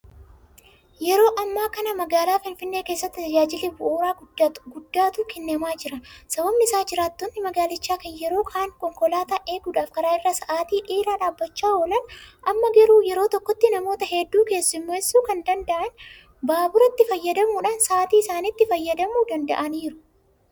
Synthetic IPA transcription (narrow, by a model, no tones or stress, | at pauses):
jɛɾo̞ːʔɐmːaːkɐnɐmɐɡaːlaːfɪnfɪnːeːkeːsːɐt̪ːɪt̪ɐd͡ʒaːd͡ʒɪlebʊʔoːɾaːɡʊd̪at̪ɡʊd̪ːaːt̪uːkɛnːɐmaːd͡ʒɪɾɐnsɐbɐmːɪɪsaːd͡ʒɪɾaːt̪ːonːɪmɐɡaːlɪt͡ʃːaːkɐnjɛɾo̞ːkʰaːŋkɔŋkɔlaːt̪aʔe̞ːɡuːᶑaːfkɐɾaːɪrːɐsɐʔaːt̪iːʔeːɾaːᶑaːbːɐt͡ʃːaːwɔlɐnɐmːɐɡɛɾuːjɛɾo̞ːt̪ɔkːɔt̪ːɪnɐmo̞ːt̪ɐhɛd̪ːuːke̞ːsːɪmːoːɛsːuːkɐnd̪ɐnd̪ɐʔɐn | baːbʊɾɐt̪ːɪfɐjːɐd̪ɐmuːᶑaːnsɐʔaːt̪iːɪsaːniːt̪ːɪfɐjːɐd̪ɐmuːd̪ɐnd̪ɐ̰ʔɐniːɾʊ̥